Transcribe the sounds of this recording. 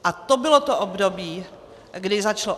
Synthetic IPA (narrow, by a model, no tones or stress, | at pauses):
ʔat̪obɪlot̪oʔobdobiː | ɡdɪzat͡ʃalo